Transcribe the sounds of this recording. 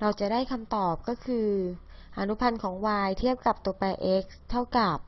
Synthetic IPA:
ɾa˧wt͡ɕa˨˩daː˥˩jkʰa˧mt̪ɔː˨˩p̚kɔː˥˩kʰɯː˧ | ʔa˧nu˦˥pʰa˧nkʰɔː˩˦ŋwaː˧jt̪ʰi˥˩əp̚ka˨˩p̚t̪u˧ɐpɛː˧ʔe˦˥k̚st̪ʰːa˥˩wka˨˩p̚

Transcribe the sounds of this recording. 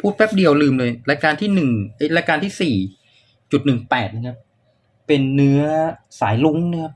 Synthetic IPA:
pʰuː˥˩t̪̚wɛ˦˥p̚di˧əwlɯː˧mlɤː˧jɾaː˧jkaː˧nt̪ʰiː˥˩nɯ˨˩ŋʔa˧˥˩jɾaː˧jkaː˧nt̪ʰiː˥˩siː˨˩ | t͡ɕu˨˩t̪̚nɯ˨˩ŋpɛː˨˩t̪̚na˧kʰa˦˥p̚ | pe˧nːɯ˦˥ɐsaː˩˦jlu˦˥ŋn˦˥˩kʰa˦˥p̚

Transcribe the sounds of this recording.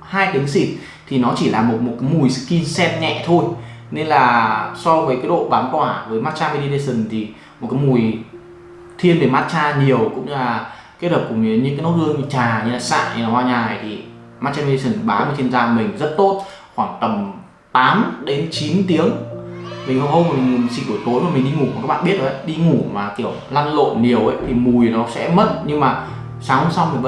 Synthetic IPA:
haː˧jt̪i˨˦əŋsi˨˩t̚ | t̪ʰi˨˩nɔ˨˦t͡ɕi˧˩laː˨˩mo˨˩t̚mo˨˩t̚kaː˨˦jmu˨˩jsɨ̰˧˥ki˧nsɛ˧˥t̚ɲɛ̰˧˨t̪ʰo˧jne˧nlaː˨˩sɔ˧vəː˨˦jkaː˨˦jɗo̰˧˨ɓaː˨˦nkwaː˧˩vəː˨˦jmaː˦˥t̚t͡ɕaː˧mi˧ɗi˧ɗe˧sɨ˨˩nt̪ʰi˨˩ | mo˨˩t̚kaː˨˦jmu˨˩j | t̪ʰi˧ənve˧˨˩maː˦˥t̚t͡ɕaː˧ɲi˨˩əwkʊ̰˧˥ŋ͡mlaː˨˩ | ke˦˥t̚həː˨˩p̚kʊ˨˧˩ŋ͡mɲɨ˨˦ɲɨ̰˧˥ŋaː˨˦jno˦˥t̚hɨ˧əŋ˧t͡ɕaː˨˩ɲɨ˧laː˨˩sa̰ː˧˨jɲɨ̰˧laː˨˩hwaː˧ɲaː˨˩jt̪ʰi˨˩ | maː˦˥t͡ɕa˧mi˧sə˧˩nɓaː˨˦ɲɨ˧˩t͡ɕe˧nzaː˧mï˨˩ŋ̟zə˦˥t̚t̪o˦˥t̚ | xwaː˧˩ŋt̪ə˨˩m | t̪aː˨˦mɗe˨˦nt͡ɕi˨˦nt̪i˨˦əŋmi˨˩ŋhə˧˩hə˧wma˨˩˨sḭ˧˩ʔɨ˧˩t̪o˨˦jmaː˨˩mi˨˩ŋ̟ɗi˧ŋu˧˩ku˨˩˨kaː˦˥ɓa̰ː˧˨ɓi˦˥ət̚ʔo˨˦ʔə˨˦ɗi˧ŋu˧˩maː˨˩ki˧˩əwla˧nlo̰˧˨ni˨˩əwʔə̰˨˦jt̪ʰi˨˩mu˨˩jnɔ˨˦sɛ̰˧˥mə˦˥t̚ɲɨ˧ŋmaː˨˩ | saː˨˦ŋhə˧ŋ͡msa˧wmi̟˨˩˧

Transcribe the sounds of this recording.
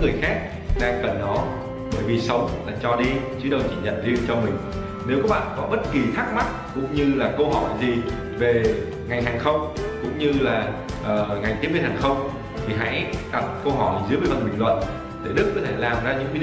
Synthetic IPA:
ŋɨ˨˩əjxaː˦˥k̚ | ɗaː˧ŋkə˨˩nːɔ˨˦ | ɓəː˧˩jvi˨˩sə˨˦wŋ͡mlaː˨˩t͡ɕɔ˧ɗi˧t͡ɕɨ˨˦ɗə˧wt͡ɕi˧˩ɲə̰˧˨nɗi˧t͡ɕɔ˧mï˨˩ŋ̟ | ne˨˦wkɔː˨˦˥ɓa̰ː˧˨nkɔ˨˦ɓə˦˥t̚ki˨˩xʰaː˦˥k̚ma˦˥t̚kʊ̰˧˥wŋ͡mɲɨ˧laː˨˩kə˧wɦɔ˧˩jzi˨˩ | ve˨˩ | ŋa˨˩jŋ̟ɦaː˨˩ŋxə˧wŋ͡mkʊ̰˧˥ŋ͡mɲɨ˧laː˨˩ʔəː˨˩ŋa˨˩jŋt̪i˨˦˥vi˧˩nhaː˨˩ŋxə˧wŋ͡m | t̪ʰi˨˩ɦa̰˧˥jɗa˨˩t̚kə˧wɦɔ˧˩jzɨ˨˦vəː˨˦fə˨˩nɓï˨˩ŋ̟lwə̰˧˨n | t̪ʰe˧˩ɗɨ˦˥kːɔ˨˦t̪ʰe˧˩laː˨˩mzaː˧ɲɨ̰˧˥ŋki˧˥˧

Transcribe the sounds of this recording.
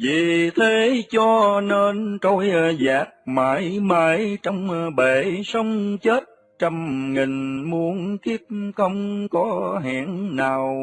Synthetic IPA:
vḭ˨t̪ʰe˨˦t͡ɕɔ˧ne˧nt̪o˧jzaː˨˩t̚maː˨˦jmaː˨˦jt͡ɕɔ˧wŋ͡mɓe˧˨˩sə˧wŋ͡mt͡ɕe˦˥t̚ | t͡ɕə˧mŋi˨˩ŋ̟mu˨˦ənki˦˥əp̚xə˧wŋ͡mkɔ˨˦ɦa̰ː˧˩nnaː˨˩w

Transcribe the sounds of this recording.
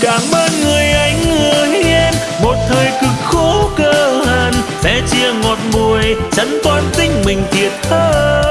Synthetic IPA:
kaː˧˩mʔəː˧nŋɨ˨˩əjʔa˨˦jŋ̟ŋɨ˨˩əhi˧ɛ˧n | mo˨˩t̚t̪ʰəː˨˩jkɨ˨˩k̚xo˨˦kəː˧laː˧˩nsɛ̰˧˥t͡ɕi˧əŋɔ˨˩t̚mu˨˩əjt͡ɕə˨˦ŋ̟kwaː˧nt̪ï˧ŋ̟mï˨˩ŋ̟t̪ʰi˨˩ət̚t̪ʰəː˧˦

